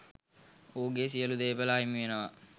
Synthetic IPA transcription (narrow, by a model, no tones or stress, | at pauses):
oːɡesijəlud̪eːbəlaɦimiʋenəʋa